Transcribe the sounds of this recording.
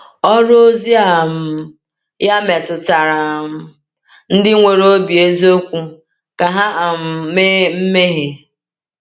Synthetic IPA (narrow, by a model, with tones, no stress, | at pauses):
ɔ˦ɾʊ˦o˦zi˦a˨m̩˨˦ | ja˦me˨tʊ˨ta˨ɾa˨m̩˦ | n̩˦dɪ˦ŋʷe˨ɾo˦bi˨e˦zi˦o˦kʷu˦ | ka˨ɦa˦a˨m̩˨me˦m̩˦me˦ɦe˨